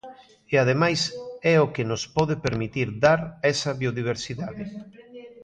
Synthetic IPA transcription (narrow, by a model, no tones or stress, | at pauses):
eað̞emajsɛokɪnʊspɔðepeɾmit̪iɾðaɾɛsɐβioðiβ̞eɾsiðaðɪ